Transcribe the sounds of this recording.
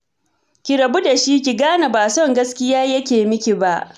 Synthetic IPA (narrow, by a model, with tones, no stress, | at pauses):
kʲi˨ɾɐ˨bu˦da˨ʃi˦kʲi˨ɡaː˦na˨baː˨sɔ˦˨ŋɡɐ˦skʲɪ˦jaː˦jɐ˦kʲeː˨mɪ˦kʲi˨ba˦ʔ